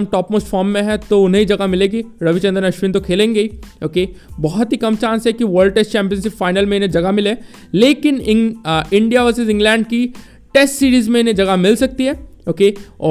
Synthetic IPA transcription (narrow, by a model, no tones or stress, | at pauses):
mʈɔːpmoːsʈfɔːɾmːẽɦɛ̃t̪oʊnɦẽid͡ʒɐɡamɪleːɡiɾɐʋit͡ʃɐ̃nd̪əɾnɐʃʋĩːnt̪okʰeːlẽːŋɡɐiːoːkebɔɦɔt̪ɦikɐmt͡ʃãːnsɦɛkiʋəːɾlɖ̚ʈesʈt͡ʃɛ̃ːmpiə̃nʃɪpfaːɪnəlmẽɪnɦẽd͡ʒɐɡamɪleː | leːkɪnɪ̃ɪ̃ɳɖijaʋɐɾsɪzɪ̃ŋɡlɛ̃ːɳɖki | ʈeːsʈsiːɾiːzmẽɪnɦẽd͡ʒɐɡamɪlsɐk̚t̪iɦɛːoːkeɔː